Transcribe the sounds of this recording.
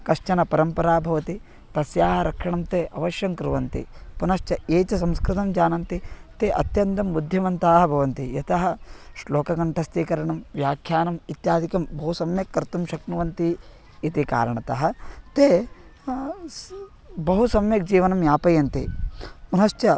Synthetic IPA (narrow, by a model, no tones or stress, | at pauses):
kɐʂt͡ʃɐnɐpɐɾɐmpɐɾaːbʱɐʋɐt̪i | t̪ɐsjaːɦɐɾɐkʂɐɳɐmt̪eːʔɐʋɐʃjɐŋkɾuʋɐnt̪ḭpunɐʃt͡ʃɐeːt͡ʃɐsɐmskɾɪt̪ɐmd͡ʒaːnɐnt̪it̪eʔɐ̰t̪jɐnt̪ɐmːud̪ʱjɐʋɐnt̪aːɦɐbʱɐʋɐnt̪ijɐt̪ɐɦɐ̆ʃloːkɐɡɐɳʈʰɐst̪ikɐɾɐɳɐmʋjaːkʰjaːnɐmit̪jaːd̪ʱikɐmbɐɦusɐmjɐkːɐɾt̪umʃɐknuʋɐnt̪i | it̪ika̰ːɾɐɳɐt̪ɐɦɐ̆t̪eː | bɐɦusɐmjɐk̚d͡ʒiːʋɐnɐmjaːpɐjɐnt̪ḭpunɐʃt͡ʃɐ